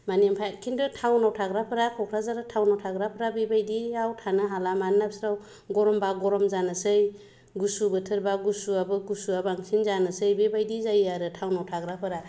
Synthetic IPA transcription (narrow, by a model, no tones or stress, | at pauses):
manimpʰakʰindʰɯtʰawnawtʰaɡɾapʰɯɾakʰɔkʰɾazaɾatʰawnawtʰaɡɾapʰɯɾabibajdiawtʰanɯɦalamanːap̚sɾaw | ɡɔɾɔmbaɡɔɾɔmzanɯsɯj | ɡusubɯtʰɯɾbaɡusuabɯɡusuabaŋsinzanɯsɯjbibajdizajaɾɯtʰawnawtʰaɡɾapʰɯɾa